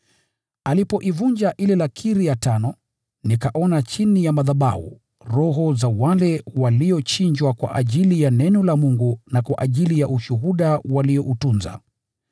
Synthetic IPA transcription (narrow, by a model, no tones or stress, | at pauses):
alipɔʔivuɲd͡ʒaʔilɛlakʰiɾijatanɔ | nikaʔɔnat͡ʃinijamaðaɓa̰hṵ | ɾɔɦɔzawalɛwaliɔt͡ʃiɲd͡ʒwakwa̰ʔaʄilijanɛnɔlamuŋɡunakwa̰ʔaʄilijaʔuʃuɦuɗawaliɔʔutunza̰